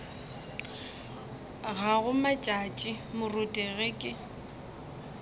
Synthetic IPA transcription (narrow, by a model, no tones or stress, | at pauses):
ɣaɣʊmat͡ʃʼat͡ʃʼɪmʊrʊtʼɛɣekʼɪ